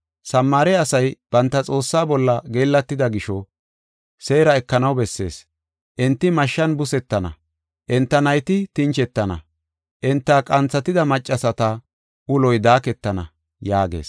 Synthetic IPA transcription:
sɐmːaːɾɛɐsɐjb̥ɐnt̪ːɐt͡sʼo̞ːsːaːbɔlːɐɡeːlːɐt̪ːɪd̪ɐɡɪʃɔ | se̞ːɾɐɛkːɐnɐwbɛsːe̞̰ːs | ʔɛnt̪ːɪmɐʃːɐnbʊsɛt̪ːɐnɐ̰ | ʔɛnt̪ːɐnɐjt̪ɪt̪ɪnt͡ʃɛt̪ːɐnɐ̰ | ʔɛnt̪ːakʼɐnt͡sːɐt̪ɪd̪ɐmɐt͡ʃʼːɐsɐt̪ɐ | ʔʊlɔjd̪aːkɛt̪ːɐnɐ̰ | jaːɡe̞̰ːs

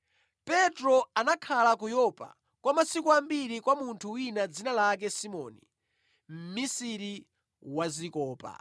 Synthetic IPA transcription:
pɛtɾɔanakʰalakujɔpa̰ | kwamasikɔambiɾikwamuntʰuwinad͡zinalak̬ɛsimɔ̰ːnḭ | m̩misiɾi | wazikɔːpa̰

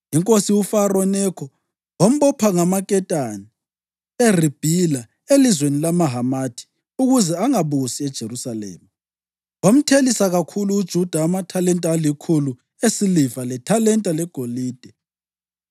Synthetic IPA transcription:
jiŋkʼosiwufarɔnɛkʰɔ | wom̩βɔpʰaŋamakʼɛtʼani | erib̥ʱila | elizwenilamaɦamatʰi̥ | uɣuzɛaŋaβusiɛd̥ʒ̥ʱeɾusalɛ̰ːma | wam̩tʰelisaɣakʰuluːd̥ʒ̥ʱud̥ʱaːmatʰalɛntʼaːlikʰulu | esilivalɛtʰalɛntʼalɛɡ̥ʱoliːd̥ʱɛ

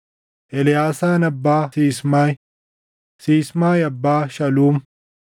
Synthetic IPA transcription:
ʔɛlɪjaːsaːnɐbːaːsiːsmaːj | siːsmaːjɐbːaːʃɐluːm

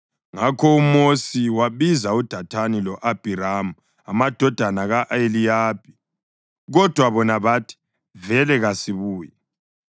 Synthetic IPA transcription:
ŋakʰɔumosiwaβizaud̥ʱatʰanilɔʔab̥ʱiɾamu | amad̥ʱɔd̥ʱanaɣaʔelijaːb̥ʱʼi̥ | ɣɔd̥ʱwaβɔnaβatʰi̥ | vɛlɛɣasiβuːjɛ

